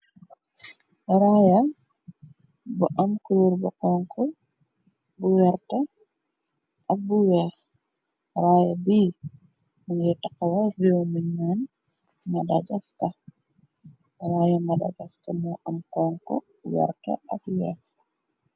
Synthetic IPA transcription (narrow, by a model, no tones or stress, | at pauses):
ɾaja | bɔʔamkuluɾbɔkɔŋkʰɔ | buwɛɾta | ʔabuwɛf | ɾaːjabiː | minjɛtakawavɛwmiɲːan | madaɡasta | ɾaːjamada̰ɡastamɔʔamkɔŋkɔ̰ | wɛ̰ɾta̰ʔa̰bwɛf